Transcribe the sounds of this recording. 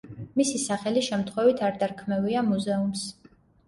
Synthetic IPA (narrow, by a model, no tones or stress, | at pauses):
misisaχɛliʃɛmt̪ʰχwɛvit̪ʰaɾd̪aɾkʰmɛviamuzɛums